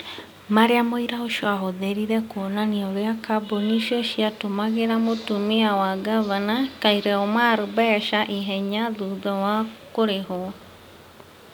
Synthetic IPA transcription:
maɾeamoiɾaoʃioaɦoðeɾiɾɛkonaniɔɾeakaboniʃiɔʃiatomaɣeɾamotumiawaɡaβanakaiɾɛɔmaɾobɛʃaʔiɦɛɲaðuðɔwakoɾeɦo

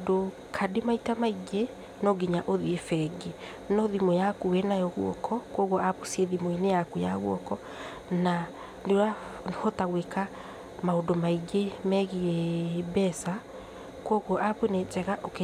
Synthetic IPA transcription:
do | kʰademaitamaiɡe | nɔɡiɲaʔoðiefɛɡe | nɔðimɔjakuwɛnajɔɣwɔ̰kʰɔkwɔɣwɔapusieðimoenejakuja̰ɣwɔkɔ | na | ndeɾahɔtaɣweka | maodomaiɡemɛɣiebɛsa | kwɔɣwɔʔapwenɛt͡ʃɛɣaʔoke

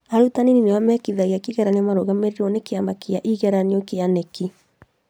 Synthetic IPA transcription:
aɾutanininewamɛkiðaɣiakiɣɛɾaniamaɾoɣameɾiɾɔnekeamakiaʔiɣɛɾaniɔkeaneki

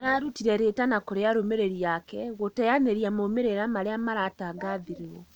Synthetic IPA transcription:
ɾaɾutiɾɛɾetanakoɾeaɾomeɾeɾiakɛɣotɛjaneɾijamomeɾeɾamaɾeamaɾataɡaðiɾwo

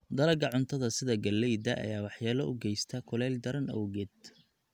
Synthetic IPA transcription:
d̪ɐlɐɡɐʕʊnt̪ʰɐðɐsɪðɐɡɐlːɛjd̪ɐʔɐ̰jaːwɑħjaːlɐʔʊɡɛjst̪ʰɐkʰʊlɛld̪ɐɾɐnɔ̰wɣɛd̪

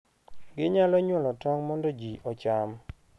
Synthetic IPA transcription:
ɡɪɲalɔɲwɔlɔtɔŋmɔndɔd͡ʒiʔɔt͡ʃam

